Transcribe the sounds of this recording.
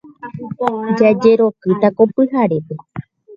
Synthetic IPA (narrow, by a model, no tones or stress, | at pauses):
ukõd͡ʒad͡ʒe̞ɾo̞kɨt̪akopɨɦaɾe̞pe